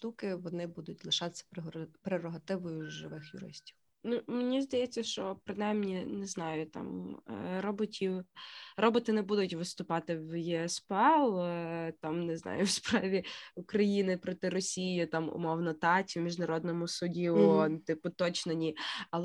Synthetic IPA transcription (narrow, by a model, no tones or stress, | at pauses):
t̪ukɪʋɔnɪbud̪ʊtʲlˠɪʃɑt̪ɪ̥sʲɐ̥pɾeɾɔɦɐt̪ɪʋɔjʊʒɪʋɪxjʊ̰ɾɪ̰sʲtʲiw | numenʲizd̪ɐjɛt͡sʲːɐʃt͡ʃɔpɾɪnɑjmnʲinɛznɑjʊt̪ɑ̰mɾɔbɔtʲʰiwrʔɔbɔt̪ɪnɛbud̪ʊtʲʋɪst̪ʊpɑt̪ɪwjiɛspɛlˠt̪ɑmnɛznɑ̰jʊwspɾɑʋʲiʊkɾɐjinɪpɾɔt̪ɪɾɔsʲijjɪt̪ɑmʊ̰mɔwnɔt̪ɑtʲimʲiʒnɐɾɔd̪nɔmʊsʊdʲiʊɔnt̪ɪpʊt̪ɔt͡ʃnenʲiɐlˠ